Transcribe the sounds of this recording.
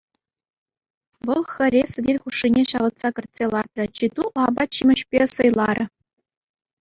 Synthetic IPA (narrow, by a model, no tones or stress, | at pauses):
ʋɤ̆lˠxʲɘ̆rʲesʲɘ̆dʲenʲχuʂːinʲeɕɑʋɤ̆t̪sɑkʲɘ̆rʲtʲsʲelˠɑrt̪rɤ̆t͡ɕid̪uʔɑbɑt̪ɕimʲɘ̆ɕpʲesɤjlˠɑrʲʔʲɘ̆